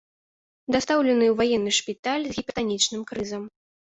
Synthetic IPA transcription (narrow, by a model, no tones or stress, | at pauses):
d̪ast̪awlʲɛnɨwvajɛnːɨʂpʲit̪alʲzɣʲipʲɛt̪anʲit͡ʂnɨmkɾɨzɐm